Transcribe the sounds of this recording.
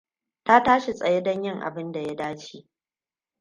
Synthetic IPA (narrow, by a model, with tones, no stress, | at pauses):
ta˦taː˦ʃi˨sʼɐ˨je˦dɐ˦ɲjɪ˦ŋʔa̰˨bɪ˦nda˨ja˦daː˦t͡ʃiː˦